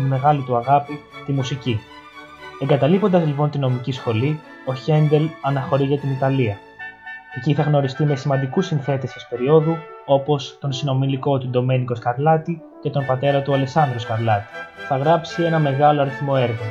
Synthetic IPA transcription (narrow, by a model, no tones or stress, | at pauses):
me̞ɣɐlit̪uɐɣɐpit̪imusici | e̞ŋɡɐt̪ɐlipo̞nd̪ɐzlipo̞nt̪ino̞micisxo̞li | o̞çe̞nd̪e̞lɐnɐxo̞ɾiʝɐt̪init̪ɐliɐ | e̞ciθɐɣno̞ɾist̪ime̞simɐnd̪ikusinθe̞t̪esɐspe̞ɾio̞ðuo̞po̞st̪o̞nsino̞miliko̞t̪ud̪o̞me̞niko̞skɐɾlɐt̪i | ce̞t̪onpɐt̪e̞ɾɐt̪uɐleksɐnd̪ɾoskɐɾlɐt̪i̥θɐɣɾɐpsie̞nɐme̞ɣɐloɐɾiθmo̞e̞ɾɣɐ